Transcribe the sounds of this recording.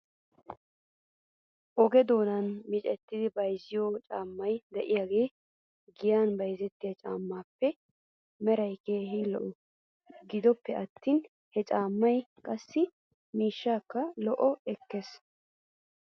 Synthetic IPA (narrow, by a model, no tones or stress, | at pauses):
ʔɔɡɛd̪o̞ːnɐnmɪt͡ʃʼɛt̪ːɪd̪ɪbɐjzɪjoːt͡ʃʼaːmːɐjd̪ɛʔɪjaːɡe̞ː | ɡɪjaːnbɐjzɛt̪ːɪjɐt͡ʃʼa̰ːmːaːpːɛ | mɛɾɐjkeːɦɪlɔ̰ʔɔ | ɡɪd̪ɔpːɛʔɐt̪ːiːn | hɛt͡ʃʼaːmːɐjkʼɐsːɪ | miːʃːaːkːɐlɔʔɔɛkːes